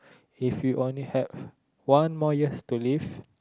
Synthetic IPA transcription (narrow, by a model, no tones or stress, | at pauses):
ifjuʔõnlihɛv | wãnmɔjəstuliv